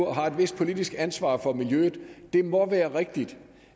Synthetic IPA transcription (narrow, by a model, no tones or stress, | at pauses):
ɐ̰ɦɑ̈e̝d̥ʋe̝sd̥̚pʰo̝lid̥isɡ̥ænsʋɑ̰̈ːfɒ̽miljøð̩ˠd̥e̝mɒ̽ʋæːɐʁeɡ̥̚d̥id̥